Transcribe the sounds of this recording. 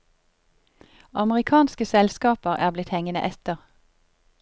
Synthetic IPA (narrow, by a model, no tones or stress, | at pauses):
ʔɑməʁɪkʰɑːnskəsɛlskɑːpəʁæ̰ːʁblɪt̪hɛŋənə̰ʔɛt̪əʁ